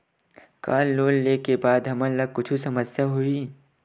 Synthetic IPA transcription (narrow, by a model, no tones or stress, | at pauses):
kaːlloːlleːkebaːd̪ɦɐmə̃lɐɡ̚kʊt͡ʃʰusɐməsjaɦui